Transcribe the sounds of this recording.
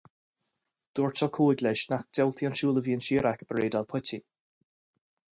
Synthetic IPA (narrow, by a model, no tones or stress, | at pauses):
d̪̥ɔːɹt͡ʃalˠkʰoːɪɡlɛʃnak̚d̥ɛwlˠt̪ʰianʃuːlˠəviːənʃiːɾakəb̥ɹeːdalˠpʰʊti